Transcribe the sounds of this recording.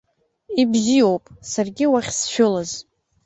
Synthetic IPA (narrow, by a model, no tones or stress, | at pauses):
ibzijowpʼsarɡʲɪwaχʲsʃᶣʊlaz